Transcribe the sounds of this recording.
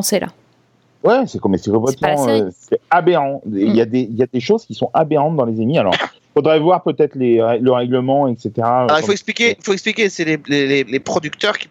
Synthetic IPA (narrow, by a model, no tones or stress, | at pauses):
sela̰ | wɛsɛkmɛsɛkɔ̃plɛt̪mɑ̃øsɛabeʁɑ̃eljad̪eiljad̪eʃozkʲisɔ̃ʔabeʁɑ̃t̪̚d̪ɑ̃lezemialɔ̰ʁ | fod̪ʁɛvwaʁpøt̪ɛt̪χleʁɛləʁɛɡləmɑ̃ɛkset̪eʁalʁʁifoɛksplikʲeifoɛksplikʲesɛlelelelepχɔd̪ykt̪œʁkʲi̥